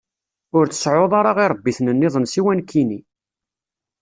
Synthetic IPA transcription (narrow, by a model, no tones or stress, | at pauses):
ʊɾθə̥sʕoðˤɑɾˤɑʁiɾˤəbːiθnənːɪðˤənsiwænkʰːini